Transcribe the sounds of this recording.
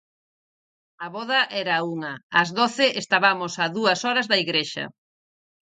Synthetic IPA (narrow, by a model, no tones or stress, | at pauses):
ɐβɔðɐʔɛɾɐuŋɐɐzðoθɪʔest̪aβamosaðuɐsɔɾɐzðɐiɣɾeʃɐ̰